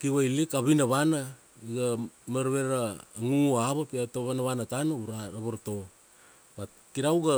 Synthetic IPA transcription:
kiβajlikaβinaβana | iɡamaɾβeɾaːŋuaβapiatoβanaβanatanauɾaɾaβoɾto̞ | ba | kiɾawɡa

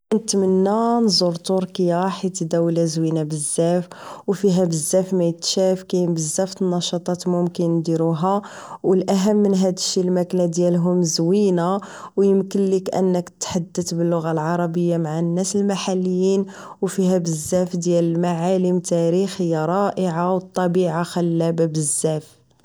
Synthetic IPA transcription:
nət̪mənːænzuɾt̪uɾkijɾħit̪d̪æwlæzwinabəzːæfwfiɦæbəzːæfmæjət̪ʃæfkæjəmbəzːæft̪ənːɑʃɑt̪ˤɑt̪mʊmkənd̪iɾuɦæwəlʔæɦəmːənɦæd̪əʃːilmæklæd̪jælɦʊmzwina | wjəmkənlikʔə̰nːəkt̪ːħad̪ːət̪bəlːʊɣalʕɑɾˤɑbəjːamaʕanːæsəlmaħalːəjːin | wfiɦæbəzːæfd̪jæləlmaʕaləmt̪æɾixhəjːæɾˤɑʔəʕawət̪ˤːɑbiʕaxælːæbabəzːæf

